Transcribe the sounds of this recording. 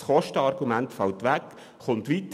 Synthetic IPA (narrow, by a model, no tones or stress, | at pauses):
sχɔʃtəɑrɡumæntfɑltʋæk | χʊnt̪ʋit̪